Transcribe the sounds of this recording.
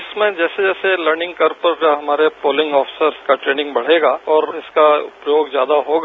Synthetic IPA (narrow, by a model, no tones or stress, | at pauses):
ɪsmẽd͡ʒɛːsed͡ʒɛːseləɾnɪ̃ŋɡkɐɾpəɾd͡ʒaɦɐmaːɾepoːlɪ̃ŋɡɔːpfʰɪ̥səɾkaʈɾeːnɪ̃ŋɡbɐɽ̤eːɡaːɔːɾɪskaʊ̰pjoːɡzjaːd̪aɦoːɡa